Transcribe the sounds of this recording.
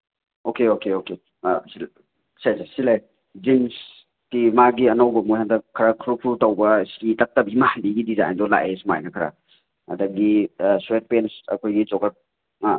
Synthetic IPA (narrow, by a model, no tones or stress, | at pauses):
okeokeoke | si | sajsasilaj | d͡ʒins | kimaɡiɐnawbɐmujhandɐkʰːɐɾakʰɾukʰɾutawbɐskitak̚tɐbimahanbiɡidiza̰a̰ndɔla̰ʔesma̰jnɐkʰɐɾa̰ | ɐ̰dɐɡiswet̚pensɐ̰kʰojɡit͡ʃɔkak̚